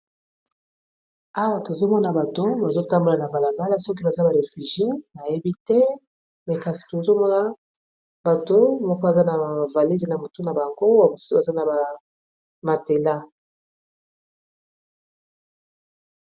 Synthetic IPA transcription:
a˨wa˨to˨zo˦mɔ˦na˨ba˨to˦ba˨zo˦ta˦mbo˨la˨na˨ba˨la˨mba˦la˦sɔ˦k̬i˦ba˨za˦ba˨ʁe˨fy˨ʒi˦na˨je˦bi˦tɛ˦ | mɛ˨ka˨si̥˨o˨zo˦mɔ˦na˨ | ba˨to˦mɔ˦kɔ˦a˨za˦na˨va˨li˦ze˨na˨mo˨tu˦na˨ba˨ŋɡo˦ba˨˦ba˨za˦na˨ba˨ | ma˨te˨nda˦

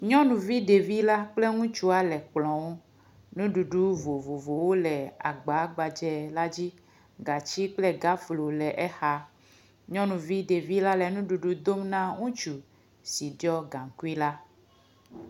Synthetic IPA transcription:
ɲɔ̃˦nũ˨vi˦ɖe˨vi˦la˦k͡plɛ˦ŋũ˦t͡ʃu˦a˦lɛ˨k͡plɔ̃˨wo˦ | nũ˦ɖu˨ɖu˦vo˨vo˨vo˨wo˦lɛ˨a̰˨ɡ͡ba˨˦ɡ͡ba˨d͡ʒɛ˨la˦d͡ʑi˦ | ɡa˨t͡ʃi˦k͡plɛ˦ɡa˦flo˨lɛ˨ʔɛ˦xa˦ | ɲɔ̃˦nũ˨vi˦ɖe˨vi˦la˦lɛ˨nũ˦ɖu˨ɖu˦d̪o˦mnã˦ŋũ˦t͡ʃu˨ | si˨ɖɔ˦ɡã˨ŋ̩˨ku˦i˦la˦

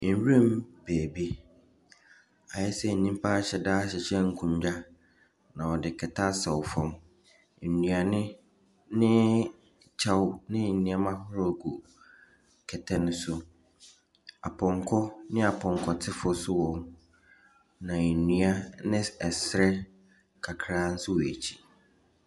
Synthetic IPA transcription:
n̩˨ɾĩ˦mb̥eː˨bi˦ | a˨ɛ˦sɛ˦˨n̩˨nĩ˦m̩˦pʰa˦˨ɕɛ˨daː˦ɕɛ˨ɕɛ̃˦ŋ̩˨kʰũ˨m˦d͡ʑa˦ | nã˨ɔ˨dɪ˨kʰɛ˨tʰa˦sɔ˨wfɔ̃˦˨m | n̩˨nũ˨a˨nɪ̃˦ | nɪ̃˦ | t͡ɕʰa˦wnɪ̃˦n̩˨nĩ˦a˦mã˦hʊ˦ɾɔ˦˨ɡu˨ | kʰɛ˨tʰɛ˦nʊ̃˦sʊ˦ | a̰˨pʰɔ̃˨ŋkʰɔ˦nɪ̃˦a˨pʰɔ̃˨ŋ˨kʰɔ˨tʰɪ˦fɔ˦sʊ˦wɔ̃˨m | nã˨nũ˨a˦nɪ̃˦ɛ˨sɾɛ˦ | kʰa˨kʰɾa˦n̩˦sʊ˦wɔ˨æ˨t͡ɕʰi̥˨

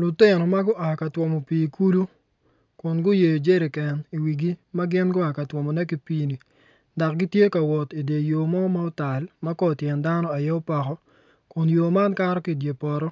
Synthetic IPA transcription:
lʊ˨tɪ˦˨nɔ˨ma˦ɡʊ˦ʔa˨ka˨twɔ˨mo˨piː˨ku˦lu˦ | kʊ˨nɡʊ˦je˨jo˨d͡ʒe˦ɾe˨kɛ˨ni˨wi˨ɡi˦ma˦ɡɪ˦nɡʊ˦a˨ka˨twɔ˨mɔ˨nɛ˦ki˨˦pi˦ni˨ | da˨k̚ɡɪ˦tje˦ka˨wɔ˨ti˨de˨jo˨mɔ˦ma˦ʊ˦ta˨lma˦kɔ˦˨tjɛ˨nda˦nɔ˦a˨jɛ˦ʊ˦pa˨kɔ˦ | kʊ˨njo˨ma˦nka˦ɾɔ˦ki˨dje˨pɔ˨ɾɔ˦

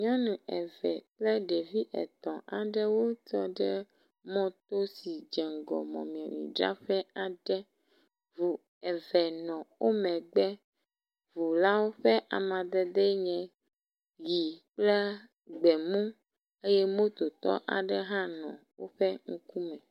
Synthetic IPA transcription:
ɲɔ̃˦nũ˨ɛ˨vɛ̰˨k͡plɛ˦ɖe˨vi˦ʔɛ̰˨t̪ɔ̃˨ʔa̰˨ɖɛ˦wo˦t̪ɔ˦ɖɛ˦ | mɔ̃˦t̪o˦si˨d͡ʒɛ˨ŋ˨ɡɔ̰˨mɔ̰̃˨mĩ˨ɔ̃˨mḭ̃˨ɖɾa̰˦ɸɛ˦a˨ɖɛ˦ | vu˨ | ɛ˨vɛ˨nɔ̃˨wʔo˦mɛ̃˨ɡ͡bɛ˦ | vu˨la˦wo˦ɸɛ˦ʔa˨mã˨d̪ɛ˦d̪ɛ˦ɲɛ̃˨ | ji˨k͡plɛ˦ | ɡ͡bɛ˨mũ˦ | e˦jɛ˦mõ˦t̪o˨t̪ɔ̰˦ʔa̰˨ɖɛ˦ɦã˦nɔ̰̃˨wo̰˦ɸɛ˦ŋu˦ku˦mɛ̃˨

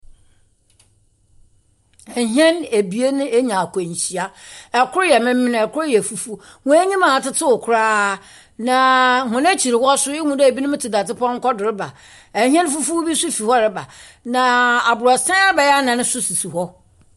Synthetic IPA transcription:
ɛ˨ɦɛ̃˦ne˨bi˨e˦nɪ̃˦ʔe˦ɲã˨kʰʷɔ˨ɲ˨ɕi˨a˦ɛ˨kʰʊ˦ɾjɛ˨mɪ̃˦mɪ̃˦n˨ɛ˨kʰʊ˦ɾjɛ˨fu˨fu˦ | ŋʊ̃˦ɛ˦ɲĩ˦mã˨tɪ˦tʰɪ˦ʊ˨kʰʊ˦ɾaː˦ | nã˨hʊ̃˨næ˦t͡ɕʰi˨ɾɪ˨hɔ˦sʊ˦ɪ˦ŋũ˨dɛ˦˨bi˦nʊ̃˦mɪ̃˦tʰɪ˨da˨tɪ˦pʰɔ̃˦ŋ̩˦kɔ˦dɪ˨ɾɪ˦ba˨ | ɛ˨ɦɛ̃˦n˦fu˦fu˦bi˦sʊ˦fi˨hɔ˦ɾɪ˦ba˨nã˨a˨bʊ˨ɾɔ˨sã˦a˦bɛ˨jɛ˦a˦nã˨nʊ̃˦sʊ˦si˨su˨ɦɔ˦

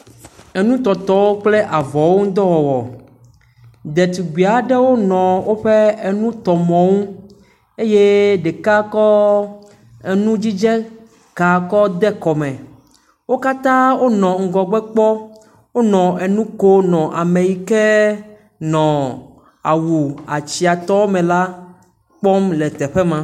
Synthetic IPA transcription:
e˨nũ˦t̪ɔ˨t̪ɔ˨wo˦k͡ple˦ʔa˨vɔ˨wo˦ŋ̩˦d̪ɔ˦wɔ˨wɔ̰˨ | d̪ɛ˨t̪u˨ɡ͡bi˨a˨ɖɛ˦wo˦nɔ̃˨wo˦ɸe˦e˨nũ˦t̪ɔ˨mɔ̃˨ŋũ˦ | e˦je˦ɖe˨ka˦kɔ˦ | e˨nũ˦d͡ʑi˦d͡ʒɛ˦ | ka˨kɔ˦d̪ɛ˦kɔ˨mɛ̃˨ | wo˦ka˦t̪ã˦wo˦nɔ̃˨ŋ̩˦˨ɡɔ˨ɡ͡bɛ˦k͡pɔ˦ | wo˦nɔ̃˨e˨nũ˦ko˦nɔ̃˨ʔa˨me˨ji˦kɛ˦ | nɔ̃˨ | a̰˨wu˨a˨t͡ɕi˨a˨t̪ɔ˦wo˦mɛ̃˨la˦ | k͡pɔ˦mlɛ˨t̪ɛ˨ɸɛ˦mã˨

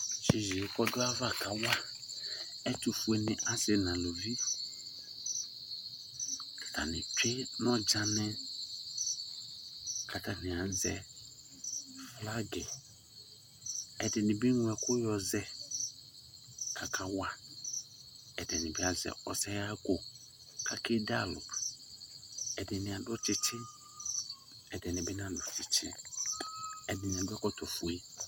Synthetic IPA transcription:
ʃi˨zi˨kɔ˦dʊ˦a˦va˦˨kʰa˨wa˦ | ɛ˦tʊ˨fu˨ɛ˨˦nɪ̃˨ʔa˦zɪ˨nã˨lo˨vi˦ | kʰḁ˨tʰa˨nɪ̃˨pʰe˦nɔ̃˦d͡ʒa˦nɛ̃˦ | kʰa˨tʰa˨nɪ̃˨ã˨n̩˦zɛ̰˨ | fla˦ɡɛ˨ | ɛ˨dɪ˨nɪ̃˨bi˦nʊ̃˨˦ɛ˨kʰʊ˦jɔ˨zɛ˦ | kʰa˨kʰa˦wa˦˨ | ɛ˨dɪ˨nɪ̃˨bɪ˦a˦zɛ̰˨ɔ̰˨sɛ˦ja˦ko˨ | kʰa˨kʰɪ˦da˦lʊ̰˨p | ɛ˨dɪ˨nɪ̃˨a˨dʊ˦t͡ʃʰɪ˨t͡ɕʰɪ̃˦n | ɛ˨dɪ˨nɪ̃˨bɪ˦nã˦a˨dʊ˨t͡ʃʰɪ˨t͡ɕʰɪ̰̃˦n | ɛ˨dɪ˨nɪ̃˨a˨dʊ˦ɛ˦kɔ˦tʰɔ˨fu˦i˦

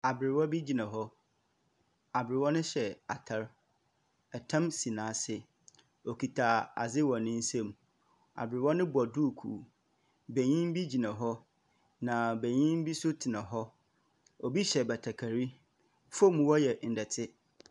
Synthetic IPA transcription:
a˨bɪ˨ɾɪ˨wɔ˦bi˦d͡ʑi˨nã˨ɦɔ˦ | a˨bɪ˨ɾɪ˨wɔ˦nʊ̃˦ɕɛ˨a˨tʰa˦ɾ | ɛ˨tʰã˦msĩ˨nãː˨˦˨sɪ˦ | o˨kʰi˨tʰa˨a̰˨zɪ˦wɔ̃˨nɪ̃˦n̩˦sẽ˦m | a̰˨bɪ˨ɾɪ˨wɔ˦nʊ̃˦bʊ˨a˨du˦˨kʰṵ˨ | bɛ̃˨ɲĩ˦m˦bi˦d͡ʑi˨nã˨ɦɔ˦ | nã˨bæ˨ɲĩ˦m˦bi˦sʊ˦tʰɪ˨nã˨ɦɔ˦ | o˨bi˦ɕɛ˨bɛ˨tʰa˨kʰa˨ɾi˦ | fo˦mũ˨wɔ˦jɛ˨n̩˨dɛ˨tʰɪ˦

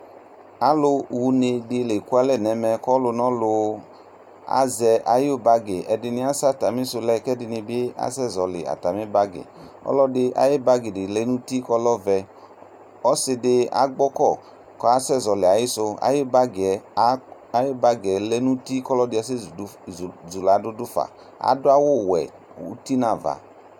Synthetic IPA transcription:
a˦lʊ˧wu˧ne˧dɪ˧le˨ku˦a˦lɛ˦˨nɛ˨mɛ˧kɔ˦lʊ˧nɔ̃˦lʊ˧ | a̰˦zɛ˧ʔa˨jʊ˦ba˧ɡe˨ʔɛ˨dɪ˧nɪ̃˧˦a˦sa˦˨ta˨mɪ˦sʊ˧lɛ˦˨kɛ˦dɪ˧nɪ˧bɪ˦a̰˦sɛ˦˨zɔ˨lɪ̰˨a̰˨ta˨mɪ˦ba˦ɡɪ̰˨ | ɔ̰˦lɔ˦dɪ˧ʔa̰˨jɪ˦ba˦ɡɪ˨dɪ˨lɛ˦nũ˦ti˦kɔ˦lɔ˦vɛ˧ | ɔ˦sɪ˧dɪ˧a̰˨˦ɡ͡bɔ˦kɔ˦˨ | kɔ˨˦a˦sɛ˦˨zɔ˨lɪ˨a˨jɪ˦sʊ˧a̰˨˦jɪ˦ba˦ɡɛ˨˦ | a˨˦je˦ba˦ɡɛ˨lɛ˦nũ˦ti˦kɔ˦lɔ˦dɪ˧˦a˨szu˨la˨˦dʊ˦dʊ˦fa̰˨ | a̰˨˦dʊ˦a˦wo˦˨wɛ̰˨ | ṵ˦ti˦nã˨va̰˨

